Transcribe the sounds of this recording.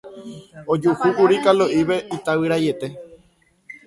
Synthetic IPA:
od͡ʒuhukuɾikaloʔiʋe̞ʔit̪awiɾaje̞t̪e̞

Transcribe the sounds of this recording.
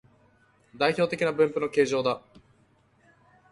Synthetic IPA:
d̪aiço̞ːt̪e̞kʲinabɯ̟̃mpɯ̟no̞ke̞ːʑo̞ːd̪a

